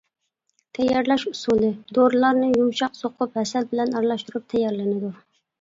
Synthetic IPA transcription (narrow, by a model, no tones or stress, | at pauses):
t̪ʰɛjɑɾlɛʃusulˠɨd̪oɾlˠɑɾnɨjumʃɑqsoqʰʊphɛsɛlbɪlɛnɑɾlˠɑʃt̪uɾup̚t̪ʰɛjɑɾlɪnɪd̪u